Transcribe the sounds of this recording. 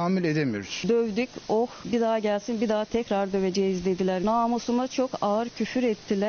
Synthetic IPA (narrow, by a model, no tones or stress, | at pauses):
aːmilʲed̪emḭɾysd̪øvd̪ycohbid̪aːaɟælʲsinbid̪aːt̪ʰɛcɾaɾd̪ø̞ve̞d͡ʒejizd̪e̞d̪ilʲæɾnaːmusumat͡ʃʰo̞kaɯɾcʰyfyɾɛt̪ʰːilʲæ